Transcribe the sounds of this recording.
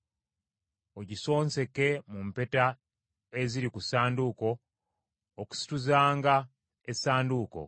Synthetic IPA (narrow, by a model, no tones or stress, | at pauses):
oɟiso̞ːnse̞ke̞mumpe̞ta | eziɾikusaːnduko̞ː | ku̥si̥tuzaːŋɡa | esaːnduko̞̰